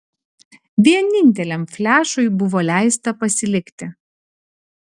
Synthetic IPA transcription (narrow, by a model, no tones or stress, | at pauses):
ʋʲiɛnʲɪnʲt̪ʲɛlʲɛmfʲlʲæːʃʊɪbʊʋoːlʲæˑɪst̪ɐpɐsʲɪlʲɪkt̪ʲɪ